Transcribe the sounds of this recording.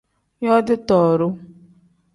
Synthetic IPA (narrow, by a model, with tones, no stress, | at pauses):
jɔ˦dɪ˦tɔ˨ɾʊ˦